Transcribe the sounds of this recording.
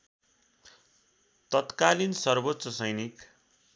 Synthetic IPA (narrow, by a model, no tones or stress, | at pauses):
t̪ʌt̪kalinsʌrbot̪sʌsʌjnik